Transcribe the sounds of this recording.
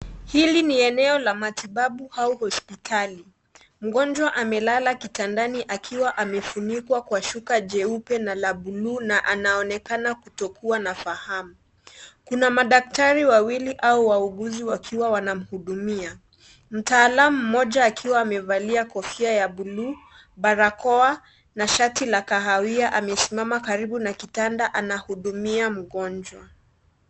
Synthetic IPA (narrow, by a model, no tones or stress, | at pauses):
hiliniɛnɛɔlamatiɓaɓuhauhɔspitʰali | m̩ɡɔnd͡ʒwaʔamɛlalakitandaniʔakʰiwaʔamɛfunikwakwaʃukaʄɛupɛnalaɓulunaʔanaɔnɛkanakutɔkuanafahamu | kunamaɗak̚taɾiwawiliʔauwauɡuziwakʰiwawanam̩huɗumia | m̩taːlamum̩mɔʄaːkʰiwaːmɛvaliakɔfiajaɓulu | ɓaɾakɔa | naʃatilakaɦawiaʔamɛsimamakaɾiɓunakitandaʔanahuɗumiam̩ɡɔnd͡ʒwa